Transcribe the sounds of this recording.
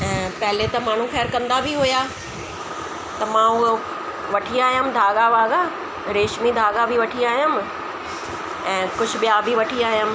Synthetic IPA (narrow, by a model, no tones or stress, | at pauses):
ɛ̃ːpɐɦɪlet̪ɐmaːɽ̤̃ũxɛːɾkɐ̃nd̪abʱiɦʊja | t̪ɐmãʊo | ʋɐʈʰiaːɦjəm̆d̪ʱaːɠabʱaːɡa | ɾeːʃmid̪ʱaːɡabʱiʋɐʈʰiaːɦijəm | ɛ̃ːkʊd͡ʑʱʊ̆ɓijabʱiʋɐʈʰiaːɦijəm̆